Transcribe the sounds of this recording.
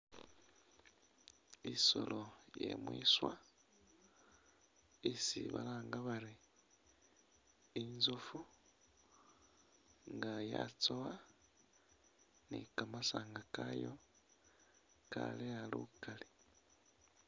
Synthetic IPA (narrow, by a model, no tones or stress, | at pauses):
iso̰lojḛmwḭːswa | isḭβa̰laːŋɡaβaɾi | nzufu | ŋɡaja̰t͡sowa | nikamasaːŋɡakajo | ka̰lealṵkale